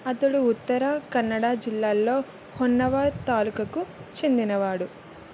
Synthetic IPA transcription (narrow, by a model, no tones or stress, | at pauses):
ɐt̪ɐɽuːt̪ːɐɾɐkɐnːɐɽaːd͡ʒilːaːlːo̞ː | honːɐʋaːt̪aːlukɐkut͡ʃe̞nd̪inɐʋaːɽu